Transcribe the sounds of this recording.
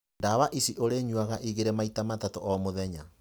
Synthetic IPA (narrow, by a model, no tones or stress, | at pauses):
ndaβaʔisiʔoɾeɲwaɣaʔiɣeɾɛmaitamatatoʔɔmoðɛɲa